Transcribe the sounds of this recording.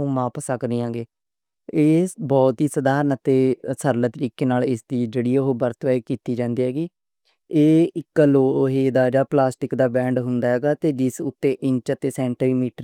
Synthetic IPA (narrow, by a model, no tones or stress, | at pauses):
ũːʋaːpəsəknĩːãːɡeː | eːbɔːt̪ɦiːsəd̪aːɾənət̪eːsəɾlət̪əɾiːkeːnaːlɪsd̪iːd͡ʒəɽiːoɦoːbəɾt̪ʋɛːikiːt̪iːd͡ʒãːnd̪iːɦɛːɡiː | eːɪkːəloːɦeːd̪aːd͡ʒaːplaːsʈɪkd̪aːbɛ̃ːɳɖɦʊnd̪aːɦɛːɡaːt̪eːd͡ʒɪsʊt̪ːeːʔɪɲt͡ʃət̪eːsɛ̃ːɳʈiiːmiːʈə